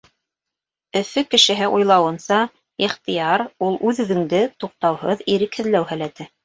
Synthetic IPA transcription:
ɵ̆fɘkɘ̆ʃɘ̆ɦɘʔujlˠɑwɤ̆nsɑ | iχt̪ijɑɾulˠʔʉðɵ̆ðɘ̆ŋd̪ɘt̪uq̚t̪ɑwhɤðiɾɘkhɘ̆ðlæwɦælæt̪ɘ

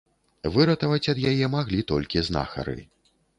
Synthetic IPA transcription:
vɨɾɐt̪ɐvɐt͡sʲɐd̪jajɛmaɣlʲit̪ɔlʲkʲizna̰xɐ̰ɾɨ̰

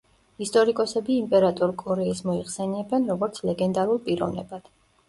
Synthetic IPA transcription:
ist̪ʼɔɾikʼɔsɛbiːmpʼɛɾat̪ʼɔɾkʼɔɾɛismɔiχsɛniɛbɛnɾɔɡɔɾt̪sʰlɛɡɛnd̪aɾulˠpʼiɾɔ̰vnɛ̰bad̪̥

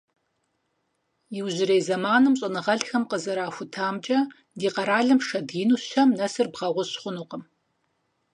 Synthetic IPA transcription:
jɪwʑɪɾejzɐmaːnɨmɕʼɐnɨʁɐɬxɐmqəzɐɾaːxʷʊtʰaːmt͡ʃʼɐ | diːqɐɾaːɮɨmʂɐdiːnuːɕɐmnɐsɨrbʁɐʁʷɔɕχʷʊnuːqəm

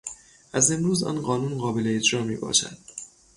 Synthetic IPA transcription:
ʔæze̞mɾuːzɒ̰ːnɢɒːnuːnɢɒːbe̞leed͡ʒɾɒːmiːbɒ̰ːʃæ̰d̪̥

